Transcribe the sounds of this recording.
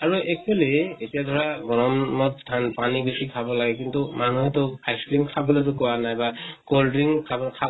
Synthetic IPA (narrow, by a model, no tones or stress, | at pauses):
aɹuɛkelietijadʱɔɹaɡɔɹɔmmɔt̚stʰanpanibesikʰabɔlaɡɛkintumanuɦɛtʊajskɹimkʰabɔlet̬ʊkɔwanajbakoldɹiŋkʰabɔkʰa